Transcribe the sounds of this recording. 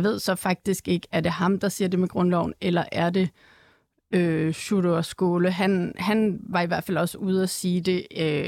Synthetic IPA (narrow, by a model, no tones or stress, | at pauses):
ʋe̝ð̞̰ˠsɒ̽fɑ̈ɡ̥̚d̥isɡ̥e̝ɡ̥əæɐd̥e̝hɑ̈md̥ɑ̈siːɐ̰d̥e̝meɡ̥ʁɔnlɒʊ̰nelɐʔæɐd̥e̝ | øɕuɾoɐsɡ̥o̝ːləɦænhænʋɑ̈iʋæɐ̰fæl̰ɒ̽səuð̞ˠæsiːd̥e̝ø